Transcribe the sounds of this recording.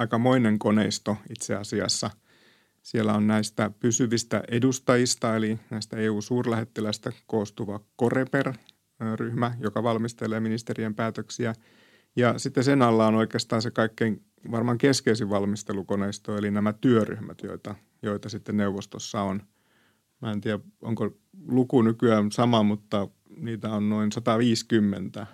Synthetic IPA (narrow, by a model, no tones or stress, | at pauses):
ɑikɑmoineŋkonḛist̪oit̪seɑsiɑ̰sːɑ | sielːæonnæist̪æpysyʋist̪æ̰ʔedust̪ɑjist̪ɑelinæist̪æeːuːsuːrlæhet̪ːelæst̪ækoːst̪uʋɑkoreper | ryhmæjokɑʋɑlmist̪eleːminist̪eriempæːt̪øksiæ | jɑsit̪ːesenɑlːɑonoikeːst̪ɑːnsekɑikːeiŋ | ʋɑrmɑŋkeskeisiʋʋɑlmist̪elukoneist̪oelinæmæt̪yøry̰hmæ̰t̪jo̰it̪ɑ | joit̪ɑsit̪ːenneuʋːost̪osːɑon | mæent̪iæo̰ŋko | lukunykyæːnsɑmɑmut̪ːɑ | niːt̪æonnoinsɑt̪ɑʋiːskymːḛnt̪æ